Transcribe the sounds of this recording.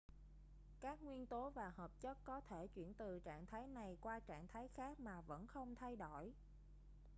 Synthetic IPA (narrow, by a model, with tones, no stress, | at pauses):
kaː˦˥k̚ŋwi˧ənt̪o˨˦vaː˨˩həː˨˩p̚t͡ɕə˦˥t̚kɔ˨˦t̪ʰe˧˩t͡ɕwḭ˧˩ənt̪ɨ˨˩t͡ɕa̰ː˧˨ŋt̪ʰaː˨˦jna˨˩jkwaː˧t͡ɕa̰ː˧˨ŋt̪ʰaː˨˦jxaː˦˥k̚maː˨˩və̰˧˥nxə˧wŋ͡mt̪ʰa˧jɗo˧˩j